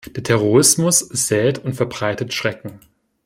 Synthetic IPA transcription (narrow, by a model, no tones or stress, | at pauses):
d̥eːɐtʰɛʁ̞oʁɪsmʊsɪz̥ɛːtʊntfɛɐbʁaɪtətʃʁ̥ɛkŋ̩